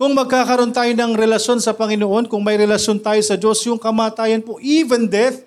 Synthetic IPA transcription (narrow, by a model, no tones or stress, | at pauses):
kʊŋmɐɡ̚kaːkɐɾo̞nt̪aːjonɐŋɾɛlɐʃjo̞nsɐpɐŋɪnoʔo̞nkʊŋmɐjɾɛlɐʃjo̞nt̪aːjosɐd͡ʒo̞sjʊŋkɐmaːt̪aːjɐnpo̞ʔiːvɛnd̪ɛθ